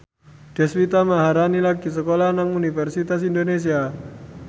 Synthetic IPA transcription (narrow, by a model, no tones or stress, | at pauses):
ɖ̥ɛswit̪amaɦaɾanilaɡis̬əkolanaŋunifɛrsit̪asindones̬ia